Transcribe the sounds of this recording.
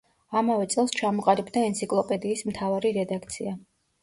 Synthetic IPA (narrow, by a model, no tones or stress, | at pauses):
amavɛt̪sʼɛlˠst͡ʃʰamɔqʼaɾibd̪aɛnt̪sʰikʼlˠɔpʼɛd̪iːsmt̪ʰavaɾiɾɛd̪akʰt̪sʰia